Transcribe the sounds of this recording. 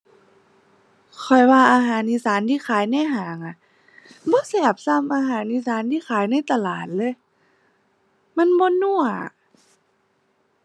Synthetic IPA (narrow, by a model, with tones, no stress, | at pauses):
kʰɔ˨˩jwaː˧ʔaː˧ɦaː˨˦nʔi˧˨saː˨˦nt̪ʰiː˧˨xʰaː˨˦jna˧˥˩jɦaː˨˩˦ŋʔa˧˩ | bɔː˧˦sɛː˧˩p̚sa˧˥˨mʔaː˧ɦaː˨˩˦nʔi˧˥saː˨˦nt̪ʰiː˧˥˨xʰaː˨˦jna˧˥˩jt̪a˧˨laː˨˩t̪̚lɤː˧˥˨j | ma˧˥˨nbɔː˧˦nu˧˩əa̰˨